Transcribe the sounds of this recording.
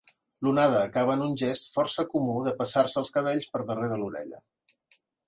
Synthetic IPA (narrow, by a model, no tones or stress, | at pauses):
lunaðəːkaβəːnunʲʒɛst̪fɔrsəkumuðəpəsarsəlˠskəβ̞eʎspəɾðəreɾəluɾɛ̰ʎə̰